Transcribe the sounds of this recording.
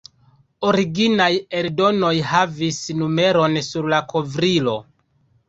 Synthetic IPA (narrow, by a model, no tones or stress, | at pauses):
oɾiɡinaje̞ɾdo̞no̞jhavisnume̞ɾo̞nsuɾlakʰo̞vɾilo̞